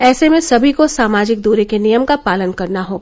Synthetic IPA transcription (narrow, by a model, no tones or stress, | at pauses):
ɛːsemẽsɐbʱikosaːmaːd͡ʒɪk̚d̪oːɾekenijəmkapaːlənkɐɾnaɦoː